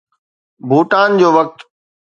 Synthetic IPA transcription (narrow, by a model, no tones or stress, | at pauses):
bʱuːʈaːnd͡ʑoːʋək̚t̪